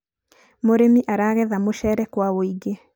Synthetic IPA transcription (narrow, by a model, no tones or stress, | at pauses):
moɾemiʔaɾaɣɛðamoʃɛɾɛkwaoiɡe